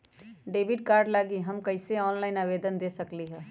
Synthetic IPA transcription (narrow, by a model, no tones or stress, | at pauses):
ɖebiɖkaːɾɖlaɡiɦəmkəɪseɔːnlaɪnaʋed̪ənd̪esəkliɦɛː